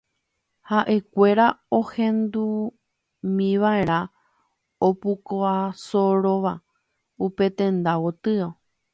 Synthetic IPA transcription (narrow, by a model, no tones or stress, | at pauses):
haʔe̞kʷe̞ɾaohẽ̞nd̪u | mĩʋaeɾ̃ã | opukoasoɾoʋa | upe̞t̪ẽ̞nd̪awot̪ɨo